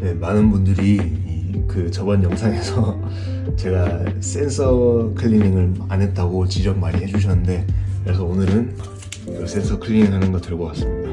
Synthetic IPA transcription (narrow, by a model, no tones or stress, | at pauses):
ne̞manɯnbundɯɾiː | kɯt͡ɕʌbʌnjʌŋsʰaŋe̞sʰʌ | t͡ɕe̞ɡas͈e̞nsʰʌkʰɯʎːiniŋɯɭanɦe̞t̚t͈aɡot͡ɕid͡ʑʌk̚maɲiɦhe̞d͡ʑuɕ̬ʰʌnːɯnde̞kɯɾe̞sʰʌonɯɾɯn | ʌs͈e̞nsʰʌkʰɯʎininɦanɯnɡʌt͈ɯɭɡʌk͈as͈ɯmɲida